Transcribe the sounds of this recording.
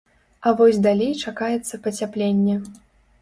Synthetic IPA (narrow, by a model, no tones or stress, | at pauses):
ɐvɔsʲd̪alʲejt͡ʂakajɛt̪sːɐpɐt͡sʲaplʲenʲːɛ